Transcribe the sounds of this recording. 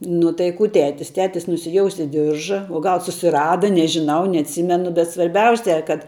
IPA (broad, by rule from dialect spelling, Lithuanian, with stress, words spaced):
nʊ tɐɪ ˈkuː ˈtʲæːtʲɪs tʲˈæːtʲɪs nʊsʲɪˈjoːʊsʲeː ˈdʲɪrʒɐ oː ˈɡɐlˠ sʊsʲɪˈrɑːdɐ nʲɛʒʲɪˈnɐʊ nʲɛɐtʲˈsʲɪmʲɛnʊ bʲɛt sʋɐrʲˈbʲɛʊsʲɛ kɐt